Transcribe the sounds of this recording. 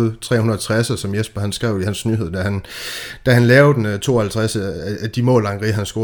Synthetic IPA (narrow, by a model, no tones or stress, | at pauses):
ð̩ˠt͡sʰʁɛ̰ːhunɐɐt͡sʰʁasɐsɒ̽mjesb̥ɐɦænsɡ̥ʁɛʊ̰ihænsnyːɦe̝ð̞̰ˠd̥æhænd̥æɦænlɛːʊd̥ent͡sʰo̝̰ːɒhælt͡sʰʁasəææd̥imɔ̰̽ːlɑ̈ŋʁiɦænsɡ̥o